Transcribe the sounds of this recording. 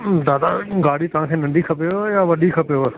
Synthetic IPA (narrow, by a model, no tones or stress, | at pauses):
d̪aːd̪aɡaːɽit̪ɐʋ̤ãːkʰeːnɐ̃nɖ̪ikʰɐpijojaːʋɐɗikʰɐpijo